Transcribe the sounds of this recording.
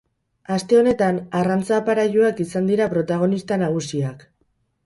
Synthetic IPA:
ast̪e̞o̞ne̞t̪anarant͡sapaɾaʝuakisand̪iɾapɾo̞t̪aɣ̞o̞nist̪anaɣ̞usiak

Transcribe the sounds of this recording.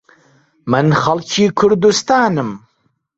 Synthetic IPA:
mɨnxɐlkʰiːkʰʊɾd̪ust̪aːnɨm

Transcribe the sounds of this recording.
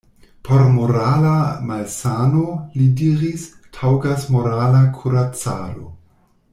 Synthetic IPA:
pʰoɾmoɾalamalsanolidiɾis | tʰawɡasmoɾalakʰuɾat͡sa̰lo̰

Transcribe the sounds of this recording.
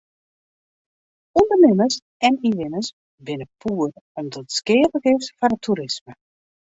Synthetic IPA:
undərnɪməs | ɛniʋɪnəs | bɪnəpʰuːərɔmdɔtskɪːvəɡɪftfɔrətʰuɾɪsmə

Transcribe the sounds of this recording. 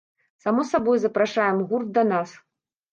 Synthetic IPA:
samɔsabɔjzɐpɾaʂajɛmɣurd̪̚d̪ɐnas

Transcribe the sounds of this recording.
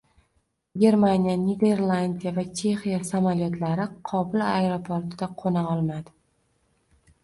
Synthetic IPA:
ɡʲe̞ɾmanijaned̪e̞ɾlˠand̪ʲijavat͡ʃʰe̞xijasamaljot̪laɾɪqʰɒbɪlajɾopʰoɾt̪ɪd̪aqʰonaɒlˠmad̪ɪ

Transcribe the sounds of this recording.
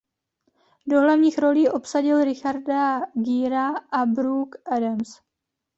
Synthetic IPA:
do̞ɦlavɲiːxɾo̞liːʔo̞psaɟɪlɾɪxaɾdaɡiːɾaʔabɾukʔɛdams

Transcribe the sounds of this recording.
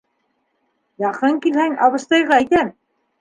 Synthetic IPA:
jɑqɤŋkilhæŋɑβɤ̆ʃt̪ɤ̆jʁɑit̪æm

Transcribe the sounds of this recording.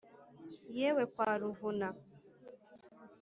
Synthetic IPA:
jewekʷaɾʊvʊna

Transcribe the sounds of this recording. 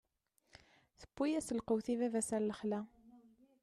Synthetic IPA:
θə̥bːijæsəlqəwθivævæsæɾləχlæ

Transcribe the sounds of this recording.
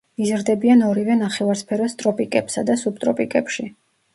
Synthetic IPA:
izɾd̪ɛbianɔɾivɛnaχɛvaɾspʰɛɾɔst̪ʼɾɔpʼikʼɛpsad̪asub̚t̪ʼɾɔpʼikʼɛpʃi

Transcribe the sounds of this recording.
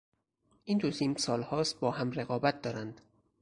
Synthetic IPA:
ʔiːnt̪ʰot̪ʰimsɒːlhɒːst̪̚bɒːhæmre̞ɣɒːbæt̪̚d̪ɒːɾænd̪̥

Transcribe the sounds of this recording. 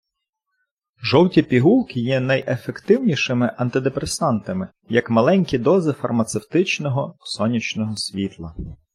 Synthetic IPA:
ʒɔwtʲipʲiɦulˠkʲɪjɛnɐjʔefekt̪ɪwnʲiʃɪmɪʔɐnt̪ɪd̪epɾesɑnt̪ɐmɪ | jɐkmɐlˠɛnʲkʲid̪ɔzɪfɐrmɐt̪sewt̪ɪt͡ʃnɔɦɔsɔnʲit͡ʃnɔɦɔsʲʋʲit̪lˠɐ

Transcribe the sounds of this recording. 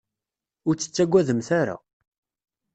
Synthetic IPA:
ʊɾt͡sːə̥t͡sːæɡʷːæðəmθaɾa̰

